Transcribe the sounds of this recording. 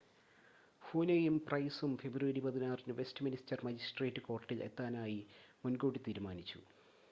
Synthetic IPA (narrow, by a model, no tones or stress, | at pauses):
foːnejumprɐjsumfe̞brʋɐɾipɐðinaːrinɨʋe̞stɨministɐrmɐd͡ʑisʈreːtːɨko̞ːrʈːilḛt̪ːaːnaːjimunɡo̞ːɽit̪iːɾumaːnit͡ɕːṵ